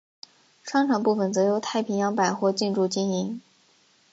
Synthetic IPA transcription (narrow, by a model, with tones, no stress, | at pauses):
ʂwɑ˥ŋʈ͡ʂʰɑ˨˩ŋpu˥˩fə˧˩nt͡sɤ˧˥jo˧˥ʊt̪ʰa˥˩ɪpʰi˧˥ŋjɑ˧˥ŋpa˨˩ɪxwɔ˥˧t͡ɕi˥˧nʈ͡ʂu˥˧t͡ɕi˥ni˧˥ŋ